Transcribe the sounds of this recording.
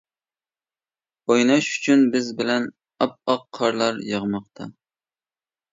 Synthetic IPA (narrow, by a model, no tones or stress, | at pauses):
ojnɑʃy̥t͡ʃʰynbɪzbɪlɛn | ɑp̚ɑqʰːɑɾlˠɑɾjɑʁmɑqt̪ʰɑ